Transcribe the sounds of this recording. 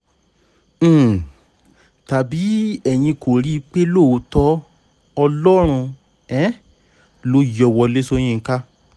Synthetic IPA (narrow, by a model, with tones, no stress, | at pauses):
ta˨bi˨˦ɛ˨j̃ĩ˧ko˨ɾi˦i˧k͡pe˦lo˦˨˦tɔ˦ | ɔ˧lɔ˦ɾ̃ũ˧ | ɛ̃˨˦ | lo˧˦jɔ˧wɔ˧le˦so˧˦j̃ĩ˦˧ŋ̩˦ka˦